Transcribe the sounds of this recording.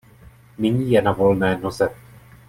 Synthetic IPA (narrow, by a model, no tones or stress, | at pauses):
mɪɲiːjɛnavo̞lnɛːno̞zɛ